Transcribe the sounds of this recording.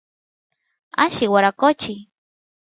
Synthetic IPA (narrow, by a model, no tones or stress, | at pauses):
aʃɪwaɾakot͡ʃi